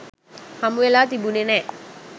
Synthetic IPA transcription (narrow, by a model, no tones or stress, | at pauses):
hamuelat̪ibunenɛt̪̚